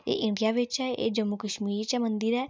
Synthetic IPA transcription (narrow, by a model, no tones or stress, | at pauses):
ḛʔɪ̃ɳɖijaːʋɪt͡ʃɛḛd͡ʒəmːukəʃmiːɾt͡ʃamə̃nd̪iɾɛː